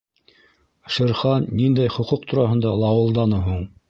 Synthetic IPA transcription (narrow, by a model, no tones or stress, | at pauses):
ʃɘ̆ɾχɑnːind̪æjχŏquq̚t̪ʰuɾɑɦɤ̆nd̪ɑlˠɑwɤ̆lˠd̪ɑnɤɦuɴ